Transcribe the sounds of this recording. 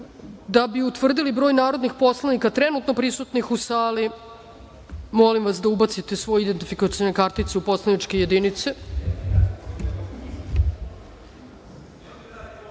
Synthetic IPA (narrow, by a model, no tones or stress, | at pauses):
d̪abiut̪ʋr̩d̪ilibɾo̞jnaːɾo̞d̪nixpo̞slˠanikat̪ɾenut̪no̞pɾisut̪nixusaːli | mo̞limʋasd̪aubat̪sit̪e̞sʋo̞jeid̪ent̪ifikat̪senekaɾt̪it̪seupo̞slˠanit͡ʃkeje̞d̪init̪se